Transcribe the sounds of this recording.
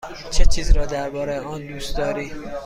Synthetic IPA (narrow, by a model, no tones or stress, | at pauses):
t͡ʃʰet͡ʃʰiːzɾɒːd̪æɾbɒːɾejeʔɒːnd̪uːst̪d̪ɒːɾiː